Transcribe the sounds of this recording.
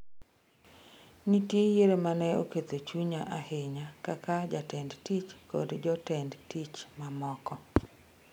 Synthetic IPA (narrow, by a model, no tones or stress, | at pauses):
nitjejeɾemanɛo̰ket̪ot͡ʃuɲaʔaheɲakakad͡ʒatɛndtit͡ʃko̰dd͡ʒɔtɛndtit͡ʃmamɔkɔ